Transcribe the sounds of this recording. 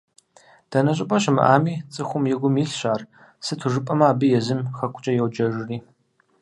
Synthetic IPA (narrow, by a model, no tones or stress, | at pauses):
d̥ɐnɐɕʼɪpʼɐɕɪmɨ̰ʔaːmiːt͡sʼɨxʷʊmjɛɡʷʊmjiɬɕaːr | sɨtʰuʐɨpʼɐmɐaːbɨjɛzɨmxɐkʷʼʊt͡ʃʼɐjɛwd͡ʒɐʒɪriː